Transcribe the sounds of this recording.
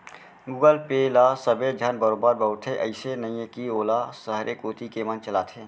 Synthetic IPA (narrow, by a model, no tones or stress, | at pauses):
ɡuːɡəlpelasəbed͡ʒʱənbəɾoːbəɾbəɦʊt̪ʰẽʔə̰ɪsenəĩẽkioːlasəɦɾʔekoːt̪ikemənt͡ʃəlaːt̪ʰẽː